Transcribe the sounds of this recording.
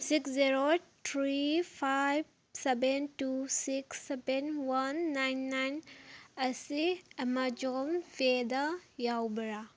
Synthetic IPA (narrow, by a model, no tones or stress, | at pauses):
sikszeɾotʰɾipʰajb | sebentusiksːebenwanːajnːajnɐsiɐmad͡ʒomfed̪ajawbɐɾa